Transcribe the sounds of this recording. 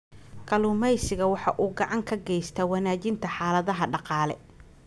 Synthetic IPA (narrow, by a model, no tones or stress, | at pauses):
kʰɐlʊːmɛjsɪɣɐwɑħɑʔuːɡɑʕɑŋkʰɐɡɛjst̪ʰɐwɑnaːt͡ʃɪnt̪ʰɐħɑːlɐðɐɦɐɖɑqɑːlɛ̰